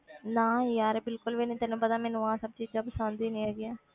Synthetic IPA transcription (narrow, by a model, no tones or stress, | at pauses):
nãːjaːɾbɪlkʊlʋinĩːt̪ɛnũːpət̪aːmɛːnũːãːsəb̚t͡ʃiːd͡ʒd͡ʒãːpəsãːnd̪iːnĩaːɡɪãː